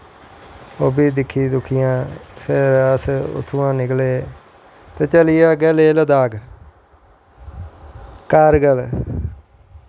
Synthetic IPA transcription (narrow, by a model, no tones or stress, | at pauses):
oːbiːd̪ɪkʰːiːd̪ʊkʰɪjãːpʰɪɾəsʊ̰t̪ʰːuãːnɪkleː | t̪eːt͡ʃəlɪjaːɡɛleːləd̪aːɡ | kaːɾɡəl